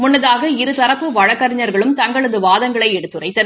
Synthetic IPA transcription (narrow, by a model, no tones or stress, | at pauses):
mʊnːɐðaːɣɐɪɾɯt̪ɐɾɐpːɯʋɐɻɐkːɐɾɪɲɐɾɣɐɭɯmt̪ɐŋɡɐɭɐðɯʋaːðɐŋɡɐɭɐɪɛɽɯt̪ːɯrɐɪt̪ːɐ